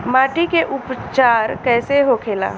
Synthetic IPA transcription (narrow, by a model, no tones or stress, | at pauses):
maːʈikeʔʊpt͡ʃaːɾkɛːseɦokʰeːla̰ː